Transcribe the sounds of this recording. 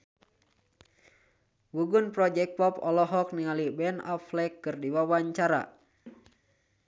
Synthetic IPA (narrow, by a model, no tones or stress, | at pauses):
wuɡunpɾɔd͡ʒɛk̚pɔpɔlɔɦɔk̚niŋalibɛna̰flɛkːɨrdiwawaɲt͡ʃaɾa̰